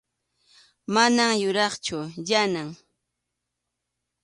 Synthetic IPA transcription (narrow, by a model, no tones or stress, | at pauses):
manaŋjʊɾɑχt͡ʃʊjanaŋ